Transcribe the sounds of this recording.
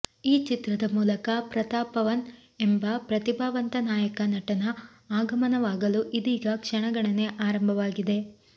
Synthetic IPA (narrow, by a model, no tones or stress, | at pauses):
iːt͡ʃit̪ɾɐd̪ɐmuːlɐkɐpɾɐt̪aːpɐʋɐnembɐpɾɐt̪ibʱaːʋɐnt̪ɐnaːjɐkɐnɐʈɐnɐ | aːɡɐmɐnɐʋaːɡɐluʔid̪iːɡɐkʂɐɳɐɡɐɭɐne̞ʔaːɾɐmbʱɐʋaːɡid̪e̞